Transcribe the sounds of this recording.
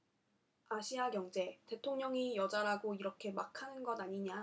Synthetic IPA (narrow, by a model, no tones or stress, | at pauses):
aɕʰiaɡjʌŋd͡ʑe̞te̞tʰoŋɲʌŋijʌd͡ʑaɾaɡoiɾʌkʰe̞makʰanɯnɡʌdaɲiɲa